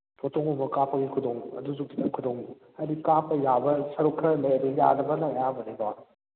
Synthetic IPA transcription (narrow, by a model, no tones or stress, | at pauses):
pʰotʰoŋomɐkapʰːɐɡikʰudoŋɐ̰dus̬ukʰitɐkʰudoŋ | ɐdikapʰːɐjabɐsɐɾukʰɐɾɐlejɐduja̰dɐbɐnɐjabɐdeba